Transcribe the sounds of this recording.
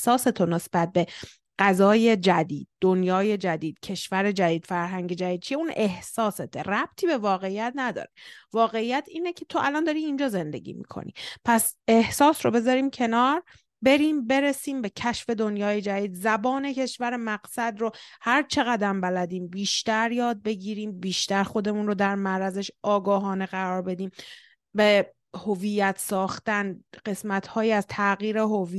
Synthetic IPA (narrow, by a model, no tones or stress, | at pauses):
sɒːset̪ʰone̞sb̥æt̪̚be̞ | ɢ̥æzɒːje̞d͡ʒæd̪ḭːd̪̥̚ːonjɒːje̞d͡ʒæd̪iːd̪̥̚cʰe̞ʃvæɾe̞d͡ʒæd̪iːd̪̥fæɾɦæŋɟe̞d͡ʒæd̪iːd̪̚t͡ʃʰijeunehsɒːset̪ʰḛræb̥̚t̪ʰiːbe̞vɒːɣe̞ijæt̪ʰnæd̪ɒ̰ːɾevɒːɣe̞ijæt̪ʰiːnecʰe̞t̪ʰoʔælɒnd̪ɒːɾiːnd͡ʒɒːze̞nd̪e̞̰ɟḭːmḭːkʰo̰nḭpʰæse̞hsɒːsɾobe̞zɒːɾiːmcʰe̞nɒːɾ | be̞ɾiːmbe̞ɾesiːmbe̞cʰæʃfe̞d̪onjɒːje̞d͡ʒæd̪iːd̪zæbɒːne̞cʰe̞ʃvæɾemæɢsæd̪ɾohæɾt͡ʃʰe̞ɣæd̪æmbælæd̪iːmbiːʃt̪æɾjɒːd̪̚be̞ɟiːɾiːmbiːʃt̪æɾxo̞d̪e̞munɾod̪æɾmæɾæzeʃɒːɡɒːɦɒːne̞ɣæɾɒːɾbe̞d̪iːm | be | hovijːæt̪ʰsɒːxt̪ænɢe̞smæt̪ʰhɒːjiæzt̪ʰæɣiːɾeɦovi